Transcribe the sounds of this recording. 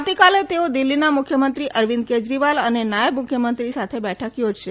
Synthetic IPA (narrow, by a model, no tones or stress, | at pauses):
t̪ikalet̪eod̪ilːinamukʰjəmənt̪ɾiʔəɾʋind̪̚ked͡ʒɾiʋalənenajəbmʊkʰjəmənt̪ɾisat̪ʰebɛʈʰəkjod͡ʒʃe